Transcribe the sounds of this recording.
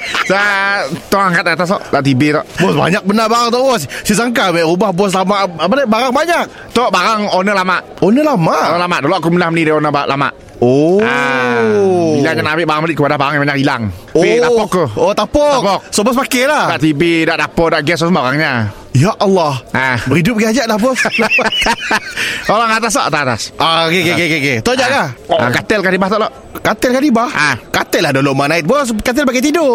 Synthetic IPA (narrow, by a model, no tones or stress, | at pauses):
sat̪ɔaŋkat̪̚at̪as̬t̪ɔʔdaʔt̪ibet̪ɔʔbɔsba̰ɲak̚bənabaɾaŋt̪̬ɔʔbɔssisaŋkabaʔrubahbɔs̬lamaʔpalabaɾaŋbaɲak̚ | t̪ɔʔbaɾaŋonəlamaʔ | onəlamaʔnəlamaʔdolɔʔakumənahmənidaonəbaʔla̰ma̰ʔ | oa | ilaŋɲaŋnamɪʔbaɾaŋməlɪt̪̚kəpadahbaɾaŋjabaɲakila̰ŋilapɔkkt̪uhot̪apɔkpɔksobɔs̬pakɛlahdaʔt̪ibidaʔd̪apɔdaʔɡɛsɔsmaɣaŋɲa | jaʔalːahabəɾidʊp̚ɡead͡ʒaʔdabʊs | oɾaŋat̪as̬ɔ̰ʔt̪aat̪a̰sʔaɡeɡeɡɛɡeɡet̪od͡ʒaʔkaha̰kat̪ɛlkadibaht̪ɔʔlɔʔ | kat̪ɛlkadibahakat̪ɛlahdoloʔmanaɪt̪̚bskat̪̬ɛlpakɛjt̪ido